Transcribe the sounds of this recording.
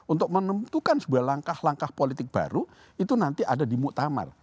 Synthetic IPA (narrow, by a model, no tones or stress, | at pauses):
unt̪ʊk̚mənəmt̪ukansəbuahlaŋkahlaŋkahpolit̪ɪk̚b̥a̰ɾu | it̪unant̪iʔadadimuʔt̪ama̰r